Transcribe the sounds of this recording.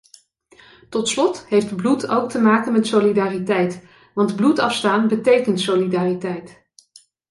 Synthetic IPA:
tɔtslɔtɦejftblutʰowk̚təmaːkənmɛtsolidaːritɛjt | ʋɑndblutɑfstaːnbətejkəntsolidaːritɛjt

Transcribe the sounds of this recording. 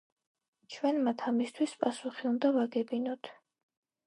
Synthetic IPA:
t͡ʃʰwɛnmat̪ʰamist̪ʰwispʼasuχiund̪avaɡɛbinɔt̪ʰ

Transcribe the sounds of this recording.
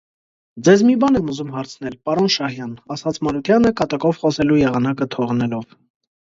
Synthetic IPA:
d͡zɛzmibɑnɛmuzumɦɑɾt͡sʰn̪ɛlpɑɾɔnʃɑhjɑnɑsɑt͡sʰmɑɾut̪ʰjɑnəkɑt̪ɑkɔvχɔsɛlujɛʁɑnɑkət̪ʰɔʁnɛlɔv

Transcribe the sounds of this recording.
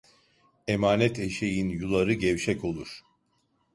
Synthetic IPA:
emaːnɛt̪ʰe̞ʃe̞jinjulˠaɾɯɟɛvʃɛco̞lˠuɾ̥

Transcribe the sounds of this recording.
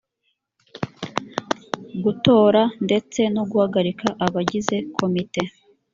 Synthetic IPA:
ɡuto̞ːɾande̞t͡se̞noɡuhaɡaɾikʰaʔaβaɟize̞kʰo̞mite̞

